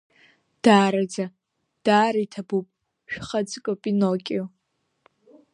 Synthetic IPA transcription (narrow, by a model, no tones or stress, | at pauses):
d̥aːɾad͡za | d̥aːɾaitʰabupʼ | ʃᶣχad͡zʼɨkʼopʼinokʲʼo